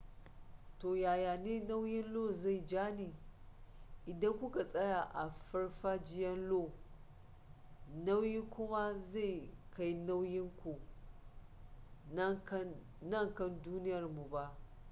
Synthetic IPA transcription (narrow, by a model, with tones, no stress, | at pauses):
toː˨jaː˨jaː˨neː˦na˦wjɪ˦nloː˦˨za˦˨jd͡ʒaː˦niː˨ | ʔɪ˨dɐ˦ŋkʷʊ˦ka˨sʼɐ˦ja˨ʔa˨ɸɐ˦ɽɸaː˦d͡ʒɪ˦jɐ˦nloː˦˨ | na˦wjiː˦kʷʊ˦ma˦za˦˨jka˦jna˦wjɪ˦ŋkʷu˨˦ | nɐ˦ŋkɐ˦nduː˦nɪ˦jɐ˨rmu˨ba˦ʔ